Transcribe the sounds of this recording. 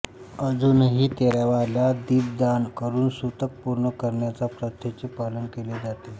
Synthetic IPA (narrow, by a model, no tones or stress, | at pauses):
əd͡zunɦiːt̪eɾaʋalad̪iːb̚d̪ankəɾuːnsut̪ək̚puɾɳəkəɾɳjat͡sapɾət̪ʰːjet͡sepalənkeled͡zat̪e